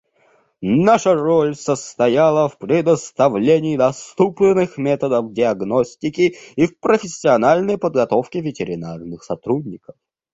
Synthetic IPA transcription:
naʂəɾolʲsəst̪ɐjalˠəfpɾʲɪd̪əst̪ɐvlʲenʲɪːd̪ɐst̪up̪ʲɪnɨxmʲet̪əd̪əfdʲɪɐɡnosʲtʲɪkʲɪifpɾəfʲɪsʲːɪɐnalʲnəjpəd̪ɡɐt̪o̞fkʲɪvʲɪtʲɪɾʲɪnarnɨxsɐt̪ɾudʲnʲɪkə̥f

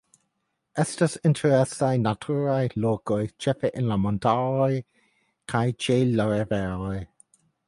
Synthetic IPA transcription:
ɛstəsɪntʰəɹɛsajnatʰuːɹajloːɡɔjt͡ʃɛfəʔɪnlamɔntʰalɔj | kʰajt͡ʃeːlɔɹɛvɛːlɔj

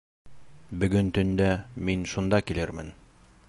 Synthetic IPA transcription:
bɵ̆ɡɵnt̪ɵ̆nd̪æminʃund̪ɑkilɘɾmɘ̰n

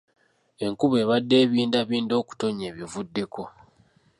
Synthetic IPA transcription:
e̞ŋkuβe̞ːβadːe̞ːβiːndaβiːndo̞ːku̥to̞ɲeːβjivudːe̞kʰo̞

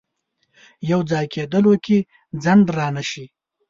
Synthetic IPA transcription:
jawd͡zɑːjkʰed̪əlwəkʲi | d͡zand̪ɾɑːnaʃi

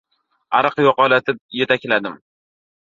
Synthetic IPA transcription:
aɾɨqjɒqɒlˠat̪ʰɪp̚je̞t̪ʰakʲlad̪ɪm

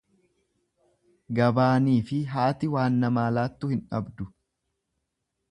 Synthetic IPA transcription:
ɡɐbaːniːfɪɦaːt̪ɪwaːnːɐmaːlaːt̪ːʊhɪnᶑɐ̰bd̪ʊ

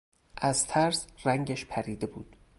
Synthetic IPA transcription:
ʔæzt̪ʰæɾsræŋɟæʃpʰæɾiːd̪e̞buːd̪̥

